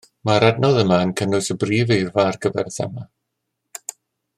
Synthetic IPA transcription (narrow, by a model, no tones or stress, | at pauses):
maɾadnɔðəmaənkʰənʊsəbriːvejrvaːrɡəvɛ̰rθɛ̰ma